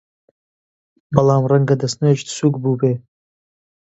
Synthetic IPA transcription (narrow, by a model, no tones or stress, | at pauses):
balaːmrɐŋɡadɐsnɨʒdsuɡbubeː